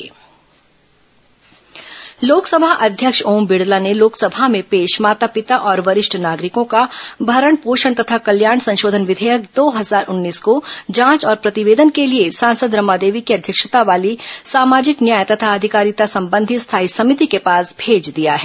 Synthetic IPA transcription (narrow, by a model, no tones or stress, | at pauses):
loːksəbʱaʔɐd̪ʱjəkʃoːmbɪɽlaneloːksɐbʱamẽpeːʃmaːt̪apɪt̪aʔɔːɾʋɐɾɪʃʈʰnaːɡɾɪkõkabʱɐɾəɳpoːʃəɳt̪ɐt̪ʰakɐljaːɾɳsɐ̃nʃoːd̪ʱənʋɪd̪ʱɛjəkd̪oːɦɐzaːɾʔʊnːiːskod͡ʒãːt͡ʃɔːɾpɾɐt̪ɪʋeːd̪ənkeliesãːnsəd̪ɾɐmaːd̪eːʋikiɐd̪ʱjəkʃət̪aʋaːlisaːmaːd͡ʒɪknjaːjt̪ɐt̪ʰaɐd̪ʱɪkaːɾit̪asɐ̃mbə̃nd̪ʱist̪ʰaːisɐmɪt̪ikepaːsbʱeːd͡ʒd̪ijaɦɛː